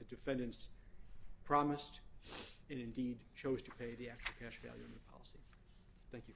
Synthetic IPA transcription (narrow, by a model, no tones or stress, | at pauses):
ðɨdɨfɛ̃ndɨ̃ns | pʰɹ̥ɑmɨst | ɨ̃nɨ̃ndid̚t͡ʃʰoʊz̥tʰɨpʰeɪðiæk̚t͡ʃul̩ˠkʰæʃvæ̰lˠjʉ̰ɨ̃nðəpʰɑ̰lˠəsḭ | θæ̃ŋkjɨ